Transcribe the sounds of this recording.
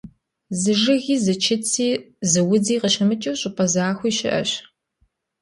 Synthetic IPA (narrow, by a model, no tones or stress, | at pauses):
zɨʐɨɣiːzɨt͡ʃʰɪt͡sʰiː | zɨwʊd͡ziːqəɕɪmɨt͡ʃʼɐwɕʼɪpʰʼɐzaːxʷiːɕɪʔɐ̰ɕ